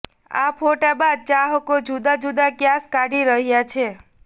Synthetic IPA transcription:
a̰pʰoʈabad̪̚t͡ʃaɦəkod͡ʒud̪ad͡ʒud̪akjaskaɽiɾəɦjat͡ʃʰe

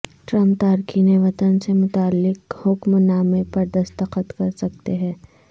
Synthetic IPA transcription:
ʈɾɐ̃mp̚t̪aːɾkʰineʋɐt̪ənsemʊt̪aːlːɪqhʊkmnaːmepɐɾd̪ɐst̪əqət̪kɐɾsɐk̚t̪eɦɛ̃ː

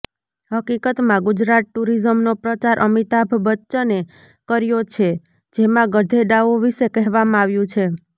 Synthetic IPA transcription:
ɦəkikət̪mãɡud͡ʒɾat̪̚ʈuɾizəmnopɾət͡ʃaɾʔəmit̪abʱbətːʃəne | kəɾjot͡ʃʰe | d͡ʒemãɡəd̪ʱeɖ̪aʋoʋiʃekɛɦʋamãaʋjũt͡ʃʰe

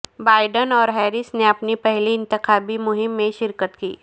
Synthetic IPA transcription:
baːɪɖənɔːɾɦɛːɾɪsneɐpnipɛɦliɪ̃nt̪ɪxaːbimʊɦɪmːẽʃɪɾkət̪kiː

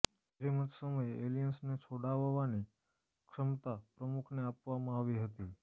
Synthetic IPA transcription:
d͡ʒeməd͡ʒsəməjelijənsnet͡ʃʰoɽaʋʋani | kʂəmt̪apɾəmukʰneapʋamãaʋiɦət̪i

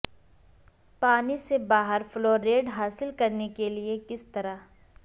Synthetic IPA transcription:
paːnisebaːɦəɾfloːɾːeːɖɦaːsɪlkɐɾnekeliekɪst̪ɐɾa

